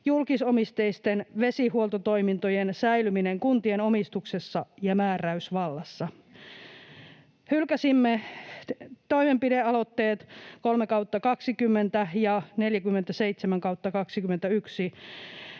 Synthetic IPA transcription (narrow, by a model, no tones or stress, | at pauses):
julkisomist̪eist̪enʋe̞sihuolt̪ot̪o̞imint̪ojensæilymineŋkunt̪ienomist̪ukse̞sːɑjɑmæːræysʋɑlːɑsːɑ | hylkæsimːe | t̪o̞imempideɑlo̞t̪ːeːt̪kolmekɑwt̪ːɑkɑksikymːent̪æjɑne̞ljækymːent̪æseit̪semæŋkɑwt̪ːɑkɑksikymːent̪æyksi